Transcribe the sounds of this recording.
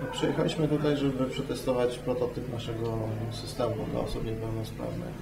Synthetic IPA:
pʂɛjɛxalʲiɕmɘt̪ut̪ajʐɛbɘpʂɛt̪ɛst̪ɔvat͡ɕpɾɔt̪ɔt̪ɘpnaʂɛɡɔsɘst̪ɛmud̪la̰ɔsupɲɛpɛwnɔspɾa̰vnɘ̰x

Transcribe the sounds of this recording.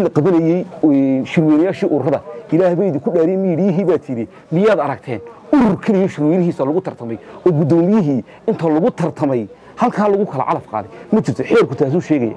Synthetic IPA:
lɐqɑβɐnɐjɛjʃɪɾwɛjnɐjaːʃiːʔʊɾrɐðɐ̰ʔɪlaːhβɛjðɪkʰʊɖaːɾɛːnmɐjɪɽɪjɪɦiːβaːt̪ʰiɾɛ | mɪjaːd̪ɐɾɐɡ̚t̪ʰɛ̰ːnʊɾʊrkʰɛlɪjɔʃɪɾwɛnɪɦiːsɐlʊɣʊt̪ʰɐrt̪ʰɐmɛ̰jɔːɡʊd̪ɔːmɪjɪɦiː | ɪnt̪ʰɐlʊɣʊt̪ʰɐrt̪ʰɐmɛj | hɐlkʰaːlʊɣʊkʰɐlɐ̰ʕɑ̰lɐfqa̰ːðɛmɐt͡ʃɪɾt̪ʰɔħɛːrkʊt̪ʰaːs̬uːʃɛːɣɐja̰ː

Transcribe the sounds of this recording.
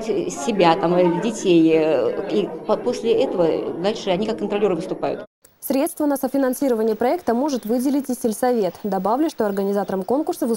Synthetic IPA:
tʲsʲːɪbʲat̪amdʲɪtʲejipɐposʲlʲɪɛt̪əvəd̪alʲʂɨɐnʲikakːənt̪ɾɐlʲeɾɨvɨst̪ʊpa̰jʊ̰t̪ | sʲɾʲe̞t̪st̪vənəsəfʲɪnɐnsʲiɾəvənʲɪjəpɾɐɛk̚t̪əmo̞ʐɨt̪vɨdʲɪlʲɪtʲɪsʲtʲɪlʲsɐvʲe̞t̪d̪ɐbavlʲɪʂt̪o̞ɐrɡənʲɪzat̪əɾəmko̞nkʊrsəvɨ

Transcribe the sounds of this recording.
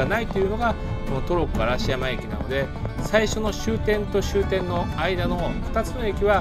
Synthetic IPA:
anait̪o̞jɯ̟no̞ɡa | ko̞no̞t̪o̞ɾo̞kɯ̟aɾaɕijamaekʲina̰no̞̰d̪e̞ | saiɕo̞no̞ɕɨːt̪ẽ̞nt̪o̞ɕɨːt̪ẽ̞nːo̞aid̪ano̞ɸɯ̟̥t̪at͡sɨno̞ekʲiβa

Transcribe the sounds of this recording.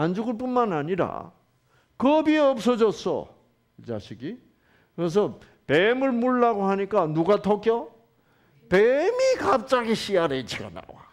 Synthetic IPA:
and͡ʑuɡɯɭp̬unmanaɲiɾa̰ | kʌbieʌp̚s͈ʌd͡ʑʌs͈ʌ̰ | t͡ɕa̰ɕʰiɡi | kɯɾes̬ʰʌ | pemɯɭmuɭːaɡohaɲik͈anuɡatʰʌk͈jʌ | pemikap̚t͡ɕ͈aɡiɕʰiaɾet͡ɕʰiɡa̰na̰wa̰

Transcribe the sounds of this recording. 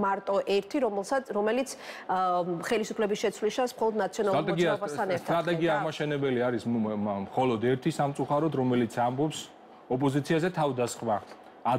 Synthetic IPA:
maɾt̪ʼɔʔɛɾt̪ʰiɾɔsaɾɔmɛlit̪sʰ | χɛlisupʰlɛbisʃɛt̪sʰwlisʃansmχɔlˠɔd̪nat̪sʰiɔnalˠat̪ʼɛɡiaɾɔbast̪ʰanɛɾtt̪ɾat̪ʼɛɡiaʁmaʃɛnɛbɛliaɾismχɔlɔd̪ɛɾt̪ʰisamt̪sʼuχaɾɔd̪ɾɔmɛlit̪sʰambɔps | ɔpʼɔzit̪sʰiazɛt̪ʰavd̪asχmaː

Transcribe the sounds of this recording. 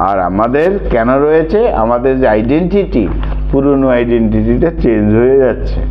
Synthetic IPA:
a̰ɾa̰mad̪eɾkɛnoɾɔjet͡ɕʰea̰mad̪eɾd͡ʑeajɖeɳʈiʈi | puɾonoajɖeɳʈiʈiʈet͡ɕend͡ʑɦojed͡ʑatːɕʰḛ

